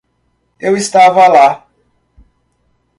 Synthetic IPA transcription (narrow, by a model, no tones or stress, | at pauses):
ewistavala